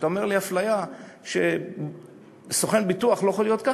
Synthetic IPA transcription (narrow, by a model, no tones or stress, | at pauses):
t̪aomeʁlihaflajaʃe | soχe̞nbit̪uaχlojexolijo̞t̪ka